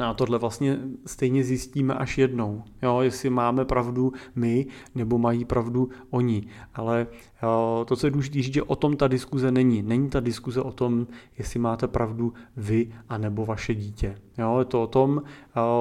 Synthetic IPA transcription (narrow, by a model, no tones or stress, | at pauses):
nɛat̪odlɛvlast̪ɲɛst̪ɛjɲɛzjɪsciːmɛʔaʃjɛdno̞wjoːjɛsɪmaːmɛpɾavdumɪnɛbo̞majipɾavduʔoɲɪʔalɛ | t̪ot͡sojɛdluʒɪt̪iːriːʒɛʔot̪o̞mt̪adɪskuzɛnɛɲɪnɛɲit̪adɪskuzɛʔo̞t̪o̞mjɛsɪmaːt̪ɛpɾʔavduvɪʔanɛbo̞vaʃɛɟiːcɛjoːjɛt̪oot̪o̞m